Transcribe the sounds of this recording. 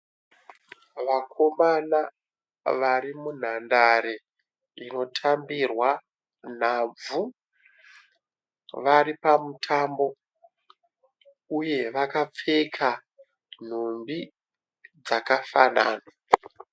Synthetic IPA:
ʋakʰo̞mana | ʋaɾimun̤andaɾe | ino̞tʰambirwa | n̤ab͡vu | ʋaɾipamutʰaːmbo̞ | uje̞ʋakap͡fekʰa | n̤ombi | d͡zakafana̰ːna

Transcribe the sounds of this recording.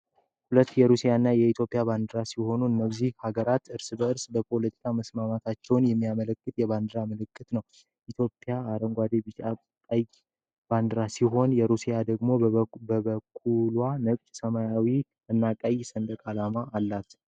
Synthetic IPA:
hulət̪ːjɛɾusijaɨnːajɛit̪ʰjo̞pʼːjaband̪ɨɾasiho̞nuɨnːəzːihhaɡəɾat̪ɨɾsɨbəɨɾsbəpʰo̞lət̪ʰi̥kʰaməsmamat̪ʰat͡ʃːɛwnjɛmːijamələkːɨt̪jɛβand̪ɨɾamələkʼːɨt̪nəw | ʔit̪ʰjo̞pʼːjaːɾəŋɡʷad̪ebɨt͡ʃa | kʼəj | b̥and̪ɨɾasiɦo̞njɛɾusijad̪əɡmo̞bəbəkʰʼːulwanəkʼt͡ʃʼsəmajawi | ɨnːakʼəjsənd̪əkʼalamaʔːlːat̪

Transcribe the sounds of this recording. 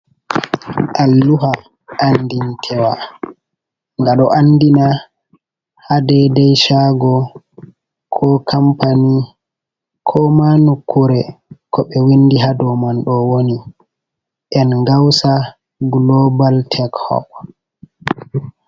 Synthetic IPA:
ʔalːuɦa | ʔːndintʰɛwa | ŋɡaɗɔʔanːdina | hadɛdɛjʃaɡɔ | kʰɔkʰampani | kʰɔmanukːuɾɛkʰɔɓɛwindiɦadɔmanɗɔwoni | ʔɛnɡawsa | ɡlɔbaltʰɛkhɔ̰p

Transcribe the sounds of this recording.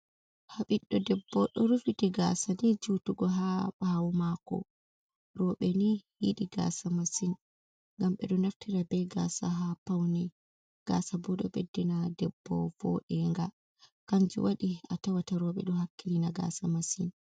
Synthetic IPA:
haɓiɗːɔdɛbːɔɗɔɾufitiɡa̰sadɛd͡ʒutuɡɔɦaɓawumakɔ̰ | ɾɔɓɛnihiɗiɡa̰ːsamasin | ŋɡamɓɛ̰ɗɔnaftiɾabɛɡa̰saɦapawnɛ | ɡ̥asabɔɗɔ̰ɓedːinadɛbːɔ̰vɔʔɛŋɡa | kaɲd͡ʒṵwaɗiatawataɾɔɓɛ̰ɗɔhakːilinaɡa̰samasin

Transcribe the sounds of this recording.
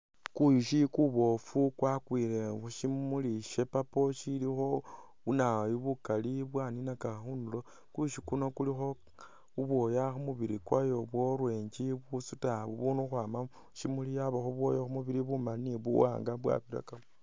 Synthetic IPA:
kuiʃikuβo̞fukwakwiɾeʃimuliʃe̞papoʃilixo | βunajiβukaliβwaninakaxunulo | kuiʃikuno̞kulixo̞ | uβwo̞jaxumuβiɾikwajo̞βwoɾweːɲd͡ʒiβusutaβuβunuxwaːma | ʃimulijaβaxoβwojaxumuβiɾiβumaniβuwa̰ːŋɡaβwa̰βiɾa̰kao

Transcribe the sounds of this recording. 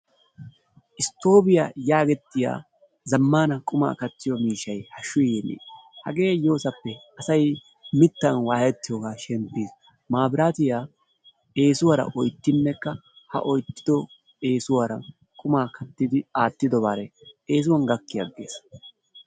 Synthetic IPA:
ʔɪst̪o̞ːbɪjaːjaːɡɛt̪ːɪja̰ː | zɐmːaːnɐkʼʊma̰ːkɐt̪ːɪjɔmiːʃɐjhɐʃːʊjjɛnḛːhɐ̰ɡe̞ːjo̞ːsɐpːɛ | ɐsɐj | mɪt̪ːɐnwaːhɛt̪ːɪjoɡaːʃɛmpːiːs | maːbɪɾaːt̪ɪjaː | e̞ːsʊwɐɾɐ̰ʔɔjt̪ːɪnːɛkːɐ | hɐ̰ʔɔjt̪ːɪd̪ɔ | e̞ːsʊwɐɾɐ̰ | kʼʊmaːkʰɐt̪ːɪd̪ɪaːt̪ːɪd̪ɔbaɾɛeːs̬ʊwɐnɡɐkːɪjɐɡːḛːs

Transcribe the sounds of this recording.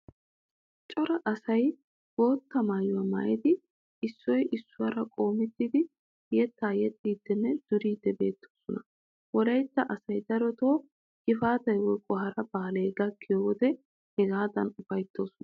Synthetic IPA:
t͡ʃʼɔɾɐʔɐsɐj | wo̞ːt̪ːɐmaːjʊwɐma̰ːʔɛd̪ɪ | ɪsːɔjʔɪsːʊwɐɾɐkʼo̞ːmɪt̪ːid̪ɪ | jɛt̪ːaːjɛt̪ʼːiːd̪̥ːɛnːɛd̪̥ɔɾiːd̪ːɛbe̞ːt̪ːo̞̥ːsɔnɐ | wɔlɐjt̪ːɐʔɐsɐjd̪ɐɾɔt̪o̞ː | ɡɪfaːt̪ɐjwɔkʼɔɦɐɾɐbaːleːɡɐkʰːɪjɔwɔd̪ɛ | hɛɡaːd̪ɐnʊbɐjt̪ːo̞ːsɔnɐ

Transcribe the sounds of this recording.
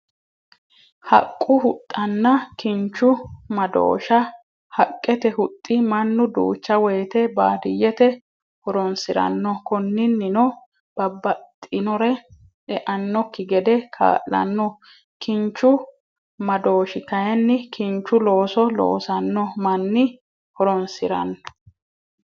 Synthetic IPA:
hɐ̰kʼːʊhʊt̪ʼːɐnːɐkɪnt͡ʃːʊmɐd̪o̰ːʃɐ | hɐkʼːɛt̪ɛhʊt̪ʼːɪmɐnːʊd̪ṵːt͡ʃːɐwɔjt̪ɛba̰ːd̪ɪjːɛt̪ɛ | hɔɾɔnsɪɾɐ̰nːɔkɔnːɪnːɪnɔ | b̥ɐbːɐt̪ʼːɪnɔɾɛ | ʔɛʔɐnːɔkːɪɡɛd̪ɛkʰa̰ːʔɐ̰nːɔ | kɪnt͡ʃːʊ | mɐd̪o̞ːʃɪkɐjɛnːɪkɪnt͡ʃːʊlo̞ːsɔlo̰ːsɐnːɔmɐnːɪ | hɔɾɔnsɪɾɐ̰nːɔ̥

